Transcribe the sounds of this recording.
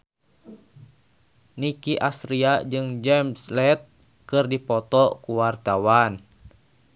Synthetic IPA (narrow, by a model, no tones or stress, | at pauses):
nikiʔasɾiad͡ʒɨŋd͡ʒɛmslɛt̪̚ | kɨrdipɔt̪ɔkuwart̪awan